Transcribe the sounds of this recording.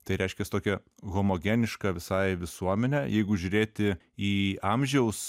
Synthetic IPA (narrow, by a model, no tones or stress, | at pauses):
t̪ɐɪɾʲɛɪʃʲkʲɛst̪oːkʲɛɣoːmoːɡʲɛnʲɪʃkɑʋʲɪsɐɪʋʲɪsuɔmʲɛnʲæjɛɪɡʊʒʲuɾʲeːt̪ʲɪ | iːɑmʲʒʲɛʊs